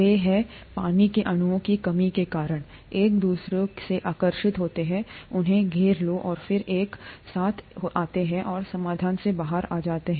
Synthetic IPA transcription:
eɦɛ | paːnikeʔɐnʊʋõkikɐmikekaːɾəɽ̃ | eːk̚d̪uːsɾeseʔaːkəɾʃɪt̪ɦoːt̪eɦɛ̃ʊnɦẽɡʱeːɾloʔɔːɾfɪɾeːksaːt̪ʰʔaːt̪eɦɛ̃ʔɔːɾsɐmaːd̪ʱaːnsebaːɦəɾaːd͡ʒaːt̪eɦɛ̃ː

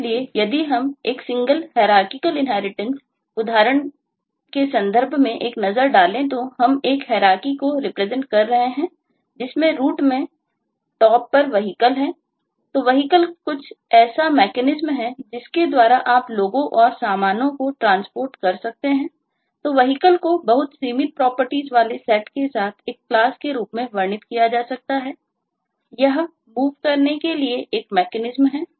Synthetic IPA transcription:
liejɐd̪iɦɐmeːksɪ̃ŋɡəlɦɛːɾaːkɪkəlɪ̃nɦɛːɾɪʈə̃ns | ʊd̪ʱaːɾəɽ̃ | kesɐ̃nd̪ʱəɾbʱmẽʔeːknɐzəɾɖaːlẽt̪oɦɐmeːkɦɛːɾaːkikoɾɪpɾɛzə̃ɳʈ̚kɐɾːɐɦeɦɛ̃ː | d͡ʒɪsmẽɾuːʈmẽ | ʈɔːpːɐɾʋɐɦikəlɦɛ̃ | t̪oʋɐɦikəlkʊt͡ʃʰɛːsamɛːkɛnɪzmɦɛd͡ʒɪsked̪waːɾaʔaːploːɡõʔɔːɾsaːmaːnõkoʈɾãːnspoːɾʈkɐɾsɐk̚t̪eɦɛ̃ː | t̪oːʋɐɦikəlkobɐɦʊt̪siːmɪnpɾɔːpəɾʈiːzʋaːlesɛːʈkesaːt̪ʰeːk̚plaːskeɾuːpmẽʋɐɾnɪt̪kijad͡ʒaːsɐk̚t̪aɦɛː | jɐɦ | muːʋkɐɾnekelieʔeːkmɛːkɛnɪzmɦɛː

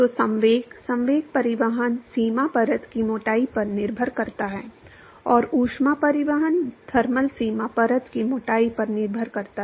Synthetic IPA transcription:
t̪osɐ̃ʋeːɡsɐ̃mʋeːɡ̚pɐɾɪʋəɦənsiːmapɐɾət̪kimoːʈaːipɐɾnɪɾbʱəɾkɐɾt̪aɦɛː | ɔːɾuːʃmapɐɾɪʋəɦənd̪ʱɐɾməlsiːmapɐɾət̪kimoːʈaːipɐɾnɪɾbʱəɾkɐɾt̪aɛ

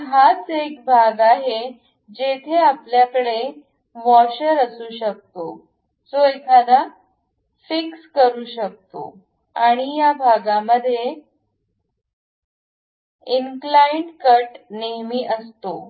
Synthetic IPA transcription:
ɦat͡sek̚bʱaɡaɦe | d͡ʑet̪ʰeapljakəɭe | ʋɔɕəɾəsuːɕək̚t̪o | t͡soekʰad̪a | fikskəɾuːɕək̚t̪o̰ | aɽ̃ijabʱaɡaməd̪ʱːje | inklajɳʈkəʈneɦmiːʔəst̪o

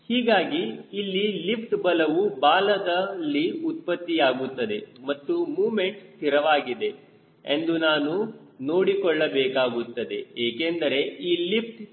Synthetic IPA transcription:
hiːɡaːɡiːlːilipʈbɐlɐʋubaːlɐd̪ɐlːiut̪̚pɐt̪ːijaːɡut̪ːɐd̪e̞mɐt̪ːumuːme̞ɳʈt̪iɾɐʋaːɡid̪e̞ | end̪unaːnu | no̞ːɽikɔɭːɐbɛːkaːɡut̪ːɐd̪e̞eːkend̪ɐɾe̞iːlip̚ʰʈ

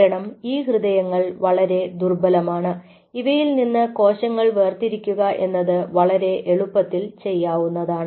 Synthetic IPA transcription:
ɾɐɳɐmiːhrɨðɐjɐŋːɐɭʋɐɭɐɾe̞d̪urbɐlɐmaːɳɨ | iʋɐjilninːɨko̞ːɕɐŋːɐɭʋe̞ːrt̪iɾikʲːuɣɐʔe̞nːɐðɨʋɐɭɐɾe̞ʔeɭupːɐt̪ːilt͡ɕe̞jːaːʋunːɐðaːɳɨ

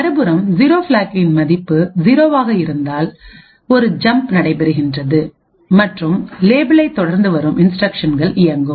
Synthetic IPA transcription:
ɐɾɯbɯɾɐmziːɾoːfɪlaːkɪnmɐðɪpːɯziːɾoːʋaːɣɐɪɾɯnd̪aːl | ɔɾɯd͡ʒɐmpnɐɽɐɪpɛɾɯɣɪndrɐðɯ | mɐʈrɯmleːbɪlɐɪt̪ːɔɽɐɾnd̪ɯʋɐɾɯmʔɪnsʈrɐkʂɐnɡɐɭʔɪjɐŋɡɯm

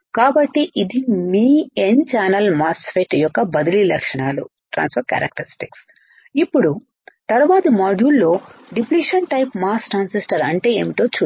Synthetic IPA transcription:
kaːbɐʈːiʔid̪imiːent͡ʃaːnɐlmaːsfeːʈjɔkːɐbɐd̪ililɐ̰kʂɐɳaːlṵʈɾʔa̰ːnspɐɾkɐ̰ɾɐ̰k̚ʈɐɾisʈiks | ipːuɽu | t̪ɐɾuʋaːt̪ɐmaːd͡ʒuːlːo̞ːɖipliːʂɐnʈɐjpmaːsʈɾaːnsisʈɐɾɐɳʈe̞eːmiʈo̞ːt͡ʃuː

